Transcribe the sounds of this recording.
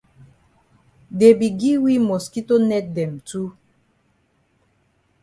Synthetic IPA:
de˨bi˨ɡi˦wi˦mɔ˨ski˦to˦nɛ˦t̚dɛ˨m˨tu˦

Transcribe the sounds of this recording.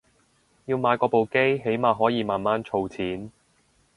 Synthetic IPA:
jiː˧wmaː˨˧jkɔː˧po˨wke˥jɦe˨˥jmaː˨˧ɦɔː˨˥jiː˨˧maː˨nmaː˨˥nt͡ʃʰo˧wt͡sʰiː˨˥n

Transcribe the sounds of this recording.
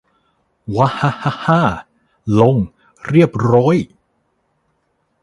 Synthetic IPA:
wa˦˥ha˧˥ha˧˥haː˥˩ | lo˧ŋ | ɾi˥˩əp̚ɾɔː˦˥˨j

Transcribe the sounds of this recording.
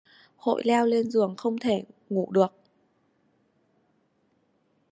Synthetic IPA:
ho̰˧˨jlɛ˧wle˧nzɨ˨˩əŋxə˧wŋ͡mt̪ʰe˧˩ŋṵ˧˩ɗɨ˨˩ək̚

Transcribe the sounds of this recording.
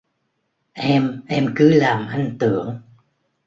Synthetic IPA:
ʔɛ˧mʔɛ˧mkɨ˨˦laː˨˩mʔa˧jŋ̟t̪ɨ˧˩˨əŋ

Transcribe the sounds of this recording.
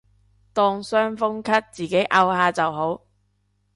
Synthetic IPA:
t̪ɔː˧ŋsœː˥ŋfʊ˥ŋkʰɐ˥t̚t͡siː˨ke˨˥jʔɐ˧whaː˧t͡sɐ˨wɦo˨˥w

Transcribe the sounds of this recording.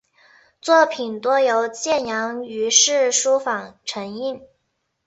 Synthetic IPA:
t͡swɔ˥˩pʰi˨˩nt̪wɔ˥jo˧˥ʊt͡ɕjɛ˥˩njɑ˧˥ŋy˧˥ʂɻ̩˥˩ʂu˥fɑ˨˩ŋʈ͡ʂʰɤ˧˥ŋi˥˩n

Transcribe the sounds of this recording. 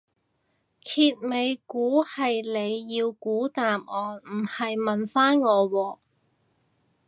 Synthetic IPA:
kʰiː˧t̚me˨˧jkuː˨˥hɐ˨jle˨˧jːiː˧wkuː˨˥t̪aː˨mɔː˨nm̩˨˩hɐ˨jmɐ˨nfaː˥nŋɔː˨˧wɔː˧

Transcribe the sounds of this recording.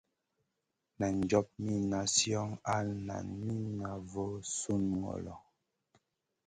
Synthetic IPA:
na˨n˨d͡ʒɔ˦p̚mi˦na˨sjɔ˦ŋa˦na̰˨nmi˦na˨vo˦su˦nŋɔ̰˨lɔ̰˨

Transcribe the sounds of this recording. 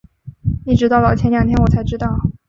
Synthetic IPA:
ni˧˩ʈ͡ʂɻ̩˧˥t̪ɑ˥˧ʊlɑ˨˩t͡ɕʰjɛ˥nja˥˩t̪ʰjɛ˥nwɔ˨˩t͡sʰa˧˥ɪʈ͡ʂɻ̩˥t̪ɑ˥˩ʊ

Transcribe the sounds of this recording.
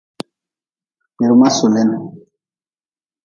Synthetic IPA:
me˨ɾu˨ma˦su˨lɛ˦na˨

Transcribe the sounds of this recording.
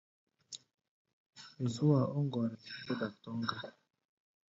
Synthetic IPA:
e˨zu˦a˨ʔo˦ŋɡɔ˨ɾɛ˨be˦da˨tɔ˦ŋɡa˦

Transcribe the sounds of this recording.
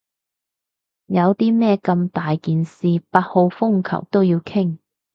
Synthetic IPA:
jɐ˨˧wt̪iː˥mɛː˥˧kɐ˧mt̪aː˨jkiː˨nsiː˨paː˧t̚ho˧wfʊ˥˩ŋkʰɐ̰˨˩wt̪o˥wjiː˧wkʰɪ˥˩ŋ

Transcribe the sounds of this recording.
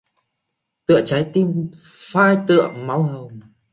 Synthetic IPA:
t̪ɨ̰˧˨ət͡ɕa˨˦jt̪i˧m | faː˧jt̪ɨ̰˧˨əma˨˦whə˨˩wm

